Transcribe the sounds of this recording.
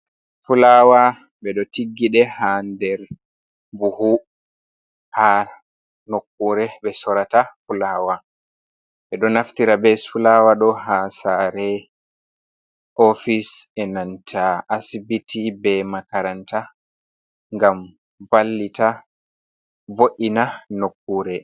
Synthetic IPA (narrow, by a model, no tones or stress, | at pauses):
fulawa | ɓbɛɗɔtiɡːiɗɛhandɛɾ | buhu | ha | nokːuɾɛɓɛsɔɾatafulawa | ɓɛɗɔnaftiɾabɛsulawaɗɔɦasaɾɛ | ʔofisɛnantʰaʔːsibitʰibɛmakaɾanta | ŋɡam | valːita | voʔinanokːuːɾɛ